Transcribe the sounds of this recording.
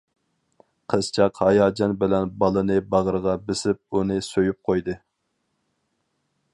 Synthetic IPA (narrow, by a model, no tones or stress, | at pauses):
qʰəz̥t͡ʃʰɑqhɑjɑːd͡ʒɑnbɪlɛnbɑlˠɨnɨbɑʁəɾʁɑbɪsɪp̚unɨsøjyp̚qʰojd̪ɨ